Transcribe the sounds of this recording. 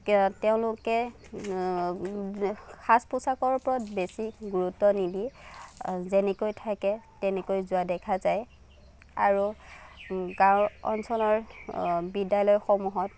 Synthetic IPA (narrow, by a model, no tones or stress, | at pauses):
teʊ̃lʊkɛ | xʰaspʊsakɔɹpɔɹɔtbesiɡuɹutːɔnidi | zenɛkojtʰakɛtɛnɛkojzʊadɛkʰazaj | aɹu | ɡawɔ̰nsɔlɔɹ | bidajlɔjxɔmuɦɔt̚